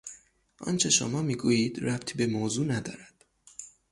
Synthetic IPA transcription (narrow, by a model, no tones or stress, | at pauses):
ʔɒ̰nt͡ʃʰe̞ʃo̰mɒːmiːɡujiːd̪̥ɾæb̥t̪ʰiːbe̞mozuːnæd̪ɒ̰ːɾæd̪̥